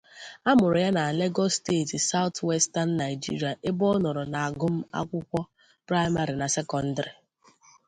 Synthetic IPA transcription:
a˦mʊ˨ɾʊ˨ja˦na˨le˦ɡɔ˦ste˦˨ti˨sa˦ʊ˦twe˦sta˦n̩ː˦a˨ɪ˨d͡ʒḭ˦ɾi˨a˨ʔe˦bɔ˦nɔ˨ɾɔ˨na˨a˨ɡʊ˦m̩˦a̰˦kʷʊ˦kʷɔ˦ | pɾa˦ɪ˦ma˦ɾi˨na˨se˦kɔ˨n̩˦dɾi˨

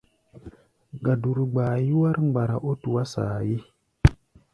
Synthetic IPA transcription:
ɡa˨du˨ɾɡ͡ba˨ji˦wa˦ɾŋ͡mɡ͡ba˨ɾa˨ʔo˦tu˨wa˦sa̰˨ji˦

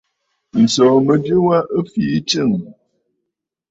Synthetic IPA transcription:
n̩˨sɔ˨mə˨dɨ˦wa˦ʔə˦fi˦t͡ʃɨ˦˨ŋ

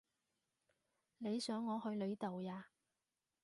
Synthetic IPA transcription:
ne˨˧jsœː˨˥ŋːɔː˨˧hɵ˧ɥle˨˧jt̪o˨wjaː˧

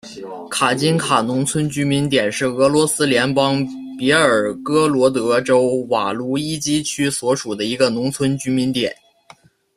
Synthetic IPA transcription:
kʰa˨˩t͡ɕi˥nkʰa˨˩nʊ˧˥ŋt͡sʰwə˥nt͡ɕy˥mi˧˥nt̪jɛ˨˩nʂɻ̩˥˩ɤ˧˥lwɔ˧˥sɹ̩˥ljɛ˧˥npɑ˥ŋ | pjɛ˧˥ə˞˨˩kɤ˥lwɔ˧˥t̪̬ɤ˧˥ʈ͡ʂo˥ʊwa˨˩lu˧˥i˥t͡ɕi˥t͡ɕʰy˥swɔ˧˥ʂu˨˩d̪ə˦i˧˥ɡə˧nʊ˧˥ŋt͡sʰwə˥nt͡ɕy˥mi˧˥nt̪jɛ˨˩˦n

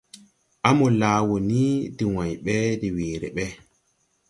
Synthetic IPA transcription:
ʔa˦mɔ˨laː˨˦wo˨ni˦di˨wa˨jɓɛ˦di˨weː˨ɾɛ̰˨ɓɛ˦

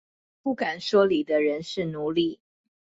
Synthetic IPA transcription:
pu˥˩ka˨˩nʂwɔ˥li˨˩d̪ə˦ɻə˧˦nʂɻ̩˥˩nu˧˦li˥˩

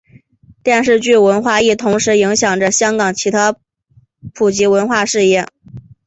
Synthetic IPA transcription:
t̪jɛ˥˧nʂɻ̩˥˧t͡ɕy˥˩wə˧˥nxwa˥˧i˥˩t̪ʰʊ˧˥ŋʂɻ̩˧˥i˧˥ŋɕjɑ˨˩ŋʈ͡ʂə˦ɕjɑ˥ŋkɑ˨˩ŋt͡ɕʰi˧˥t̪ʰa˥ | pʰu˨˩t͡ɕi˧˥wə˧˥nxwa˥˧ʂɻ̩˥˧jɛ˥˩

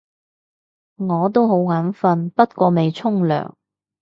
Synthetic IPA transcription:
ŋɔː˨˧t̪̬o˥who˨˥wŋaː˨˥nfɐ˧npɐ˥t̚kʷɔː˧me˨jt͡sʰʊ˥ŋlœ̰ː˨˩ŋ

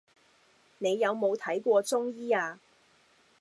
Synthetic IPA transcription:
ne˨˧jːɐ˨˧wmo˨˧wt̪ʰɐ˨˥jkʷɔː˧t͡sʊ˥ŋjiː˥aː˧

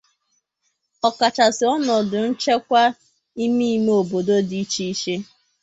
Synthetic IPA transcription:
ɔ˨ka˨t͡ʃa˨sɪ˨ɔ˦nɔ˨dʊ˨n̩˦t͡ʃe˦kʷa˦ | i˦mi˦i˦me˨o˨bo˨do˦di˨˦t͡ʃi˦i˦ʃe˦

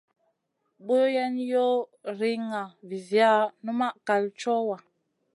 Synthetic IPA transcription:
bo˦jɛ˦njo˦ɾi˦ŋa˨vi˨zja˦˨nu˦ma˦ʔka˨lt͡ʃɔ˦wa˨

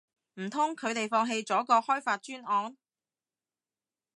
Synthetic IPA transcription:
m̩˨˩t̪ʰʊ˥ŋkʰɵ˨˧ɥt̪e˨jfɔː˧ŋɦe˧jt͡sɔː˨˥kɔː˧hɔː˥jfaː˧t̚t͡ʃyː˥nɔː˨˧n

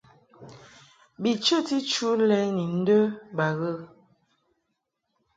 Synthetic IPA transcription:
bi˨t͡ʃə˦˨ti˦t͡ʃu˦lɛ˨˦ni˨n̩˦də˦ba˨ɣə˦˨

